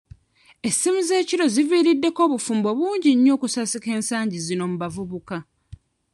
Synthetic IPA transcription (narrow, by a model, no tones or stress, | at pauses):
e̞sːimize̞ːciɾo̞ziviːɾidːe̞ko̞ːβufuːmbo̞βuːɲɟiɲːo̞ːkusasike̞ːnsaːɲɟizino̞muβavuβuka